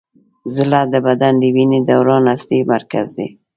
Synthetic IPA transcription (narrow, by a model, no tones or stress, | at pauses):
zɪlad̪əbad̪and̪əwined̪awɾɑnaslimaɾkazd̪ḛ